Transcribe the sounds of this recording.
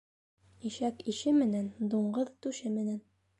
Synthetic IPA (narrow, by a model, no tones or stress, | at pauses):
iʃækiʃɘmɘ̆nænd̪uɴɢɤðt̪ʉʃɘmɘ̆næn